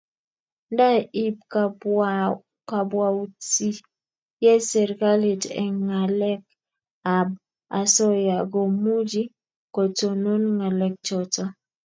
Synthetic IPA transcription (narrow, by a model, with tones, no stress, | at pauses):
nda˦i˦p̚ | ka˨bwa˨ti˦ | jɛ˦sɛ˨ɾɡa˦li˨tɛ̰˨ŋa˨lɛ˦k | a˨b̚ | a˨sɔ˦ja˨ɡo˨mu˦d͡ʒi˦ | ko˨to˨no˦nŋa˨lɛ˨k̚t͡ʃɔ˨ta˦